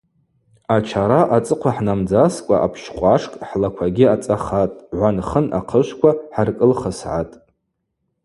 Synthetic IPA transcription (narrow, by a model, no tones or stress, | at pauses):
at͡ʃʰaɾaʔat͡sʼɨqʷʰaħnamd͡zaskʷʼa̰ʔapʰʃχqʷaʂkʼħlakʷʰaɡʲiat͡sʼaχatʼʕʷanχəna̰qʰəʃʷkʷʰaħarkʼəlχəsʕa̰tʼ